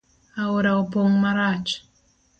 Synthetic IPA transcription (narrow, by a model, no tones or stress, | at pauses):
aoɾaoboŋmaɾad͡ʒ